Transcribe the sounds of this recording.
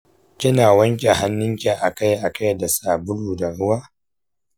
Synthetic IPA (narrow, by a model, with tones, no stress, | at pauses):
kʲɪ˦naː˨wɐ˦ŋkʲe˨ha˦nːɪ˦ŋkʲe˨ʔa˨ka˦jʔa˨ka˦jda˨saː˨bʊ˦ɽuː˨da˨ɽʊ˦waː˦